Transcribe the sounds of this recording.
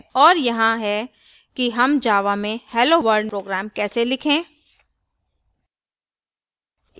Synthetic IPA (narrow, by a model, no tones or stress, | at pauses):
ɔːɾjɐɦãɦɛ | kiɦɐmd͡ʒaːʋamẽhɛːloʋəɾɖpɾoːɡɾæːmkɛːselɪkʰẽː